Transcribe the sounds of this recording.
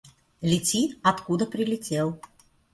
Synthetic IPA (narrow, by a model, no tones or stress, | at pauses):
lʲɪt͡sʲiɐt̪kud̪əpɾʲɪlʲɪtʲelˠ